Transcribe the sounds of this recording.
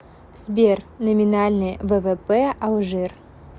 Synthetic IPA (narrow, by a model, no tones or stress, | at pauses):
z̥bʲer | nomʲinalʲnɨjvəvepeawˠʐɨr